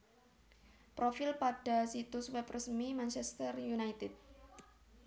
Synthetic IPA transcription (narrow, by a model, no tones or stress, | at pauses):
pɾofɪlpaɖ̥a̤sit̪uswɛp̚rəsmimant͡ʃɛst̪ərjunajt̪ɪd̪̚